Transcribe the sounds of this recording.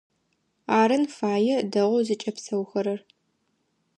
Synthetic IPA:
aːɾɐnfaːjɛdɐʁʷʊzɨt͡ʃʼɐpsɐwxɐɾɐr

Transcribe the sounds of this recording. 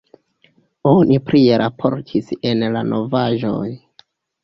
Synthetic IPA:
onʔipɾieɾʔapʰo̞̰ɾtʰise̞nlanʔo̞vaʒo̞̰j

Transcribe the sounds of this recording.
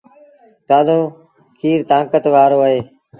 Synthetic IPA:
kaːzõː | kʰiːɾt̪ãːkət̪ʋaːɾoːəɦeː

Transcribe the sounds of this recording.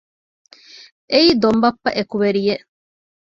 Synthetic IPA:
ʔeiːd̪ombɐpːɐʔekuʋeɾijeʔ

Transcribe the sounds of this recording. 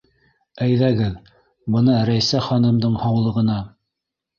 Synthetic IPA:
æjðæɡɘð | bɤ̆nɑɾæjsæχɑnɤ̆md̪ɤɴhɑwlˠɤ̆ʁɤ̆nɑ

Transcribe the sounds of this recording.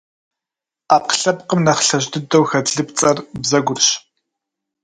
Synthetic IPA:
aːp̚qɬɐpqəmnɐχɬɐʑdɨdɐwxɐdɮɨpt͡sʼɐrbzɐɡʷʊrɕ

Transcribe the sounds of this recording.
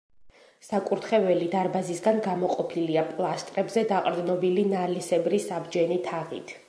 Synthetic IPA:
sakʼuɾt̪ʰχɛvɛlid̪aɾbazisɡanɡamɔqʼɔpʰiliapʼlˠast̪ʼɾɛbzɛd̪aqʼɾd̪znɔbilinalisɛbɾisabd͡ʒɛnit̪ʰaʁḭt̪ʰ

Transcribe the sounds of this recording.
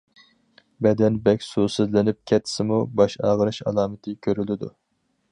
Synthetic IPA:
bɛd̪ɛnbɛkʲsusɨzlɪnɪp̚kʲʰɛt̪ʰːɪ̥sɪmubɑʃɑ̰ːʁəɾɨʃɑ̰lˠɑːmɨt̪ʰɨkʲʰøɾylɪd̪u

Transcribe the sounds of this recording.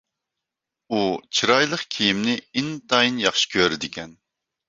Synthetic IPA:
ut͡ʃʰiɾɑjlˠəqkʲʰijimnɪint̪ʰɑjinjɑχʃi̥kʲʰøɾɪd̪ɪkʲɛn

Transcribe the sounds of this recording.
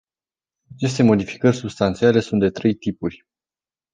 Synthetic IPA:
at͡ʃe̞st̪e̞mo̞d̪ifi̥kərʲsubst̪ant̪siale̞sunt̪d̪e̞t̪ɾe̞jt̪ipurʲ

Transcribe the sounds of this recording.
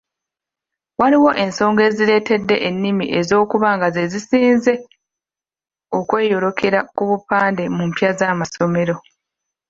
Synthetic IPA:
waliwo̞ʔe̞nso̞ːŋɡe̞ːziɾe̞ːte̞dːe̞ʔenːimiʔe̞zo̞ːkuβaːŋɡaze̞zisiːnze̞ | o̞kwe̞ːjo̞ɾo̞kʰe̞ɾakuβupaːnde̞mumpjazamaso̞me̞ɾo̞

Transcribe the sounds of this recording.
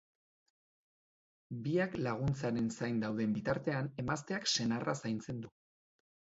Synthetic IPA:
biaklaɣ̞unt͡saɾe̞nsajnd̪awðe̞mbit̪aɾt̪e̞ane̞mast̪e̞akse̞narʔasajnt͡se̞nd̪u

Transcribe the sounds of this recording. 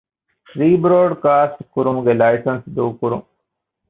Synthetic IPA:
fɾiːbɾoːɖkaːsʈkʊɾumɡelaːjsənsd̪uːkʊɾṵ̃m

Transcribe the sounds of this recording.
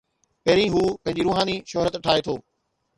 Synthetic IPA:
pɐːɾĩːɦuːpɐ̃ɦɪ̃ɲd͡ʑiɾuːɦãːniʃɔɦɾət̪ʈʰaːet̪ʰoː

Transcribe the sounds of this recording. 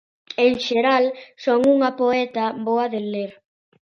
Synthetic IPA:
eŋʃeɾalsoŋuŋɐpoɛt̪aβoɐðeleɾ

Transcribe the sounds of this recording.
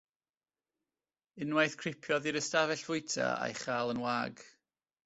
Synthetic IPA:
ɪnwajθkʰr̥ɪpʰjɔðiɾəstavɛɬv̥ʊɨtʰa̰a̰jχaːlˠənwaːɡ

